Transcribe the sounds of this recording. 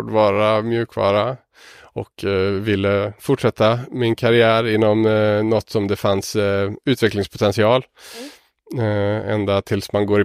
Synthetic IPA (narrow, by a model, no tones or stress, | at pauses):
ɖəvɑːɾamjʉ̟ːkvɑ̰ːɾa | ɔkʰvɪlːəfʊʈʂɛt̪ːamɪnkʰaɾɪæːɾɪnːɔmnɔt̪ːsɔmd̪ɛfansʉ̟ːt̪vɛklɪŋspʰʊt̪ʰɛnsɪɑːl | ɛ̰nd̪at̪ʰɪlsmanɡoːɾɪ